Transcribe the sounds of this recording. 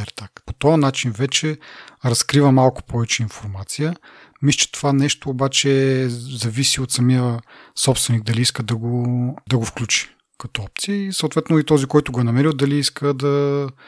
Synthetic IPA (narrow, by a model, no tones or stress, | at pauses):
aɾt̪akpot̪ɔɐnat͡ʃinvɛt͡ʃɛɾɐskɾivəmalˠkʊ̥pʰɔvɛt͡ʃɛinfoɾmat̪sijə | mist͡ʃɛ̥t̪o̥vanɛʃt̪oːbat͡ʃɛzɐvisiot̪sɐmiəsɔpst̪vɛniɡ̚d̪ɐliiskəd̪ɐɡod̪ɐɡofklʲut͡ʃi̥ | kɐt̪ɔɔp̚t̪siəisəowˠt̪vɛt̪noit̪ɔzikɔjt̪ʊɡoɛnɐmɛɾilˠd̪ɐliiskʰəd̪ɐ